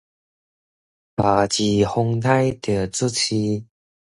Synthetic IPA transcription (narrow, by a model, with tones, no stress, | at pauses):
pa˨˩t͡ɕi˨˩ho˧ŋt̪ʰa˥jt̪ə˨˩t͡su˥t͡ɕʰi˧